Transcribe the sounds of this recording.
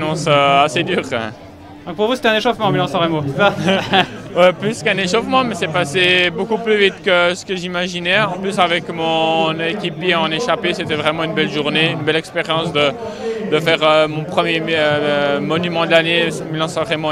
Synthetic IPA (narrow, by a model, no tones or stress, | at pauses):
nɔ̃søased̪yːʁ | d̪ɔ̃k̚puʁvuse̥t̪ɛɛ̃neʃofmɑ̃milɑ̃sɑ̃ʁemosa | ɛplyskɛ̃neʃofmɑ̃mɛsɛpasebokuplyvit̪kəsə̥kəʒimaʒinɛɑ̃plysavɛkmɔ̃nekʲipjeɑ̃neʃapeset̪ɛvʁɛmɑ̃ynbɛlʒuʁneynbɛlɛkspeʁjɑ̃sd̪ə | d̪əfɛːʁømɔ̃pχəmje | mɔnymɑ̃d̪lanemilɑ̃sɑ̃ʁɛmo